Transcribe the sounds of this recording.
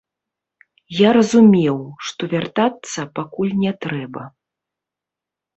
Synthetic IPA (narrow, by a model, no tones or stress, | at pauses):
jaɾɐzumʲɛwʂt̪ɔvʲart̪at̪sːɐpakulʲnʲɛt̪ɾɛbɐ̰